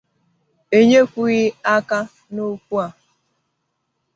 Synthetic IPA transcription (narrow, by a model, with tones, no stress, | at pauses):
e˨ɲe˦kʷu˦ɣi˦a˦ka˦ | no˦ku˦a˨